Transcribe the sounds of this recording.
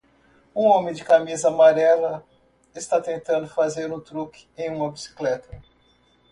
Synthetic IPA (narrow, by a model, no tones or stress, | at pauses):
ũõmẽd͡ʒɪkamizɐːmaɾɛlɐ | ɪst̪at̪ẽnt̪ɐ̃nd̪ʊfazeɾũt̪ɾukɪ̥ẽj̃ũmɐbisi̥klɛt̪ɐ